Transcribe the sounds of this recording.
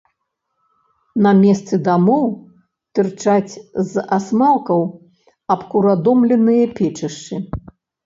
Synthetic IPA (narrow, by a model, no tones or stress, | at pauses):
nɐmʲɛst̪sɨd̪amɔw | t̪ɨrt͡ʂat͡sʲzasmalˠkɐw | ɐpkuɾad̪ɔmlʲɛnɨjɐpʲɛt͡ʂɐʂt͡ʂɨ